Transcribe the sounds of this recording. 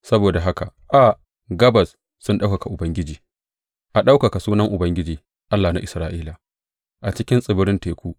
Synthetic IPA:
sɐ˦boː˨da˨ɦa˦ka˨ʔʔa˨ | ɡɐ˦bɐ˨s | sʊ˦nɗa˦wka˨ka˨ʔʊ˨bɐ˦ŋɡʲɪ˦d͡ʒiː˨ | ʔa˨ɗa˦wka˨ka˨suː˦nɐ˦ŋʔʊ˨bɐ˦ŋɡʲɪ˦d͡ʒiː˨ | ʔa˦lːaː˨na˦ʔɪ˨sɾaː˦ʔiː˦la˨ | ʔa˨t͡ʃɪ˦kʲɪ˦nsʼɪ˨bʊ˦ɾɪ˦nteː˨kʷuː˦

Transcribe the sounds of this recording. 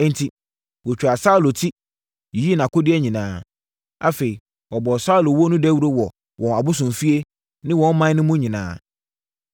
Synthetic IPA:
n̩˦tʰi˦ | wo˨t͡ɕᶣa˨sa˦u˦˨lo˨tʰi˦˨˦ | i˦nã˨kʊ˦dɪ˦ɛ˦ɲĩ˨nãː˦ | a˦fe˨i˨ | wɔ˨bɔ˨sa˦u˨lo˨wɔ˦nʊ̃˦dɛ˦wu˦ɾo˦wɔ˨ | wʔɔ̃˨na˨bʊ˦sʊ̃˨m˨fi˦e˦ | nɪ̃˦wɔ̃˨˦n˦mã˦nʊ̃˦mũ˦ɲĩ˨nã̰ː˨˦

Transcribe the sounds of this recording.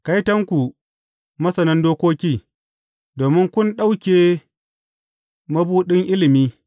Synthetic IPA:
ka˦jtɐ˦ŋkʷu˨ | mɐ˦sɐ˨nɐ˦ndoː˦kʷoː˦kʲiː˦ | doː˨mɪ˦ŋkʷʊ˦nɗa˦wkʲeː˨ | mɐ˦buː˦ɗɪ˦ŋʔɪ˦lɪ˨miː˦

